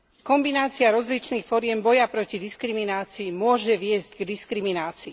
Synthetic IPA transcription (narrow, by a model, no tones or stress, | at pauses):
kɔmbinaːt͡siaɾɔzlit͡ʃniːxfɔɾɪɛmbɔjapɾɔcid̪iskɾiminaːt͡siːmʊɔʒɛʋɪɛzɟɡd̪iskɾiminaːt͡siː